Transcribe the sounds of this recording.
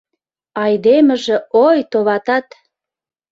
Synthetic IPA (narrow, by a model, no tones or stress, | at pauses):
ɑjd̪emə̆ʒĕojt̪oβɑt̪ɑt̪